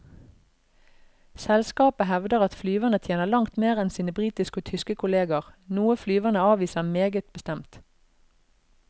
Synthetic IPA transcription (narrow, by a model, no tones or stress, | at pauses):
sɛlskɑːpəɦɛʋd̪əʁɑt̪flyːʋənət̪ʰjeːnəʁlɑŋt̪meːʁɛnsiːnəbʁiːt̪ɪskoːt̪ʰʏskəkʰʊleːɡəʁnuːəflyːʋənəɑːʋiːsəʁmeːɡət̪̚bəst̪ɛmt̪